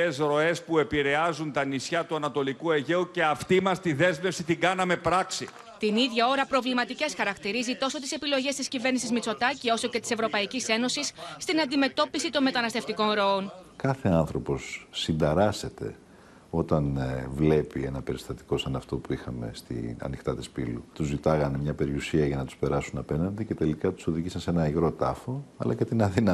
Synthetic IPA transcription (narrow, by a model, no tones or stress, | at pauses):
esɾo̞e̞spue̞piɾe̞ɐzunt̪ɐnisçɐt̪uɐnɐt̪o̞likueʝe̞uce̞ɐft̪imɐst̪iðe̞zme̞fsit̪iɡɐnɐme̞pɾɐksi | t̪iniðʝɐo̞ɾɐpɾo̞vlimɐt̪ice̞sxɐɾɐkt̪iɾizit̪o̞so̞t̪ise̞pilo̞ʝe̞st̪iscive̞ɾnisizmit͡so̞t̪ɐcio̞so̞cet̪i̥se̞vɾo̞pɐicise̞no̞sisːt̪inɐnd̪ime̞t̪o̞pisit̪o̞nme̞t̪ɐnɐst̪eft̪iko̞nɾo̞onkɐθe̞ɐnθɾo̞po̞sːind̪ɐɾɐse̞t̪e̞̰ | o̞t̪ɐnvle̞pie̞nɐpe̞ɾist̪ɐt̪i̥ko̞sɐnɐft̪o̞puixɐme̞̰st̪ḭnɐ̰nixt̪ɐt̪ispḭlṵt̪uzːit̪ɐɣɐnmɲɐpe̞ɾiusiɐʝɐnɐt̪u̥spe̞ɾɐsunɐpe̞nɐnd̪ice̞t̪e̞likɐt̪u̥so̞ðiʝisɐnse̞nɐiɣɾo̞t̪ɐfo̞ɐ̰lɐcet̪inɐðinɐ